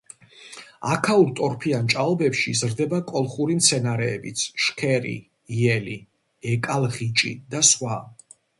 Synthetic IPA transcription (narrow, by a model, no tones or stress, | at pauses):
akʰauɾt̪ʼɔɾpʰiant͡ʃʼaɔbɛpʃizɾd̪ɛbakʼɔlˠχuɾimt̪sʰɛnaɾɛːbit̪sʰʃkʰɛɾḭ | iɛli | ɛkʼalˠʁit͡ʃʼḭd̪asχwa